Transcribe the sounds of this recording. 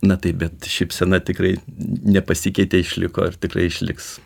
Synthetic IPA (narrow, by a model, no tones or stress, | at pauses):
nɐt̪ɐɪpbʲɛt̪ʃʲɛɪpsʲɛnɐt̪ʲɪkrɐɪnʲɛpɐsʲɪkʲɛɪt̪ʲeɪʃʲlʲɪko̰ːɪrt̪ʲɪkrɐɪɪʃʲlʲɪ̰ks